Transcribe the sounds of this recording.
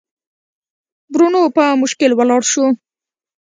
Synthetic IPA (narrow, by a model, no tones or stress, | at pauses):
bɾunopəmʊʃkɪlwəlɑɽʃu